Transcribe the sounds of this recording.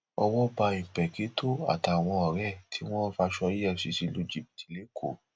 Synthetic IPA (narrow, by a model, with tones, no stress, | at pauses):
ɔ˧wɔ˦ba˧ĩ˨pɛ˨ki˨˦to˦˨a̰˨ta˨˧˨w̃ɔ̃˧ɔ˨ɾɛ˦˨tʰi˨˦w̃ɔ̃˦fa˧ʃɔ˧i˦ɛ˦˨si˨˧˦si˨˧˦lu˦˨d͡ʒi˨˦˨pti̥˨le˨˦kʰo̰˨